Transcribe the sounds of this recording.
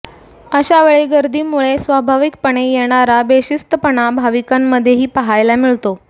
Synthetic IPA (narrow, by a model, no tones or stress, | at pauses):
əɕaʋeɭeɡəɾd̪ʱiːmuɭesʋabʱaʋik̚pəɳ̃ejeɽ̃aɾabeɕist̪əpəɳabʱaʋikamːəd̪ʱːjeɦiːpəɦajlamiɭt̪o